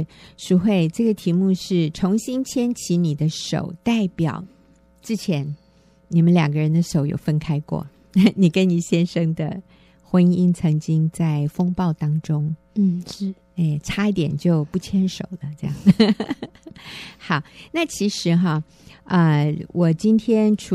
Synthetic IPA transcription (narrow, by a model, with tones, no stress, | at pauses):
ʂu˧˥xwe˥˧ɪʈ͡ʂɤ˥˩ɡə˩t̪ʰi˧˥mu˥˧ʂɻ̩˥˩ʈ͡ʂʰʊ˧˥ŋɕi˥nt͡ɕʰjɛ˥nt͡ɕʰi˧˥ni˨˩d̪ə˦ʂo̰˨˩ʊt̪a˥˩ɪpjɑ̰˨˩ʊ | t͡sɻ̩˥˩t͡ɕʰjɛ˧˥n | ni˨˩mə˦nljɑ˨˩ŋɡə˦ɻə˧˦nd̪ə˧ʂo˨˥ʊjo̰˨˩ʊfə˥nkʰa˥ɪkwɔ̰˥˩ | ni˨˩kə˦nni˨˩ɕjɛ˥nʂə˥ŋd̪ə˨ | xwə˥ni˥ŋt͡sʰɤ˧˥ŋt͡ɕi˥ŋt͡sa˥˩ɪfɤ˥ŋpɑ˥˩ʊt̪ɑ˥ŋʈ͡ʂʊ˥ŋ̩˥˩˥ | e˥˩ʈ͡ʂʰa˥i˥˩t̪jɛ̰˨˩nt͡ɕjo˥˧ʊpu˥˩t͡ɕʰjɛ˥nʂo˨˩ʊlə˦ʈ͡ʂɤ˥˧jɑ˥˨˩ŋ | xɑ˧˩ʊna˥˩t͡ɕʰi˧˥ʂɻ̩˧˥xɐ˧ | ə˧wʔɔ˨˩t͡ɕi˥nt̪ʰjɛ˥nʈ͡ʂʰ